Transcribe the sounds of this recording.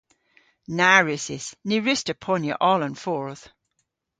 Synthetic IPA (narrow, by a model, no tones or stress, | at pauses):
naɹɪsɪsniɹɪstəpʰɔnjə̰ʔɔlə̃nfɔːɹθ